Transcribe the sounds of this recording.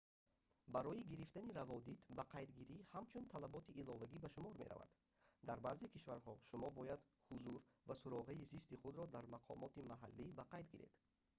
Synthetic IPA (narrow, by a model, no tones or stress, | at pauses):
baɾɔjiɡiɾift̪aniɾavɔd̪it̪ʰbaqʰajd̪ɡiɾihamt͡ʃʰunt̪ʰalabɔt̪ʰiʔːlɔvaɡibaʃumɔɾmeɾa̰va̰d̪̥ | d̪aɾbazekʰiʃvaɾɦɔʃumɔbɔjad̪ | huzuɾvasuɾɔʁaizist̪iχud̪ɾɔd̪aɾmaqʰɔ̰mɔt̪imaɦalːibaqʰajd̪ɡiɾḛd̪̥